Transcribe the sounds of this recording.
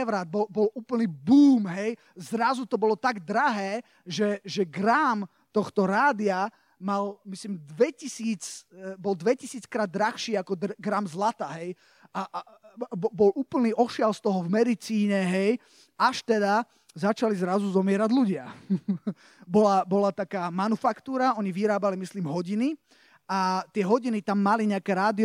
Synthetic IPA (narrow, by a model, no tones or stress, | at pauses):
ɛʋɾad̪̚bɔlbɔluːplniːbuːmɦɛj | zɾazut̪ɔbɔlɔt̪aɡd̪ɾaɦɛː | ʒɛʒɛɡɾaːm | t̪ɔxt̪ɔɾaːd̪ɪa | malmislimd̪ʋɛcisiːt͡sbɔld̪ʋɛcisiːt͡skɾaːd̪ːɾaxʃiːakɔd̪ɡɾamzlat̪aɦɛj | a | bbɔlʔuːpl̩niːʔɔʃɪalst̪ɔɦɔvmɛd̪it͡siːɲɛɦɛj | aʃt̪ɛd̪a | zat͡ʃalizɾazuzɔmɪɛɾaɟluɟɪa | bɔlabɔlat̪akaːmanufakt̪uːɾaɔɲiʋiɾaːbalimisliːmɦɔɟini | at̪ɪɛɦɔɟinit̪amːaliɲɛakɛːɾaːd̪i